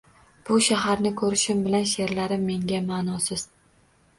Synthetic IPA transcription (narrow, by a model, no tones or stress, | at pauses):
b̥ʊʃaɦaɾnɪkʰɵɾɪʃɪmbɪlanʃe̞ɾlaɾɪmːe̞ŋɡʲamaːnɒsɪz̥